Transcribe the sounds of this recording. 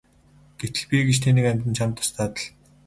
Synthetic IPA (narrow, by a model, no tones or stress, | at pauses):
ɡ̥et̪ɘ̆ɮpʲiːɡet͡ɕt̪ʰeniːkæmʲt̪ɘ̆nt͡ɕʰamt̪ʰɔ̥st̪ʰaːt̪ə̆ɮ